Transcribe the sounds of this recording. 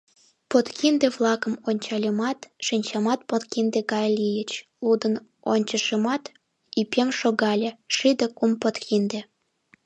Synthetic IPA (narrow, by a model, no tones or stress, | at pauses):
pot̪kʰind̪eβlɑkəmonʲt͡ɕɑlʲəmɑt̪ʃinʲt͡ɕɑmɑt̪̚pot̪kind̪eɣɑjlijət͡ɕlud̪ən | onʲt͡ɕəʃəmɑt̪ | ipʲemʃoɣɑlʲeʃid̪əkumpot̪kʰind̪ĕ